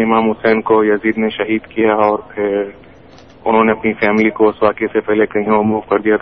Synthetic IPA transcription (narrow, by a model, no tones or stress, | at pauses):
ɪmãːmɦʊsɛːnkojɐziːd̪neʃɐɦiːd̪kijaɔːɾpʰɪɾ | ʊnɦõːneɐpnifɛːmɪlikosʋaːkesepɛɦlekɐɦĩomuːʋkɐɾd̪ijat̪ʰ